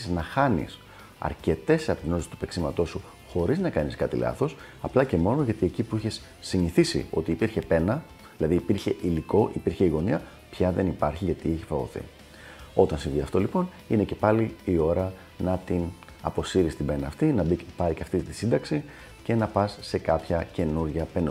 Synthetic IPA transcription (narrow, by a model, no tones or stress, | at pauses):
znɐxɐnḭs | ɐ̰ɾce̞t̪e̞seɐpot̪ino̞t̪isi̥t̪u̥pe̞ksimɐt̪osu | xo̞ɾiznɐkɐniskɐt̪ḭlɐ̰θo̞sɐplɐce̞mo̞no̞ʝɐt̪ie̞cipuiçe̞sːiniθisḭo̞̰t̪iːpiɾçe̞pe̞nɐ | ðilɐðiːpiɾçe̞ʔiliko̞ʔipiɾçe̞iɣo̞niɐ | pçɐðe̞nipɐɾçiʝɐt̪iiçifɐvo̰θḭ | o̞t̪ɐnsinðiɐ̰ft̪o̞lipo̞n | ine̞ce̞pɐliio̞ɾɐ | nɐt̪in | ɐ̰po̞siɾist̪ibe̞nɐːft̪inɐbipɐɾiceɐft̪it̪isind̪ɐksi | ce̞nɐpɐsːe̞kɐpçɐce̞nuɾʝɐpen